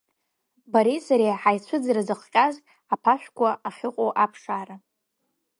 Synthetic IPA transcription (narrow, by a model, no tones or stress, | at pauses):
baɾisaɾeħajt͡ɕʷʰʊd͡zaɾazɨχqʲʼaz | apʰaʃᶣʷkʷʰʼaaχʲɪqʼoʔapʰʂaːɾa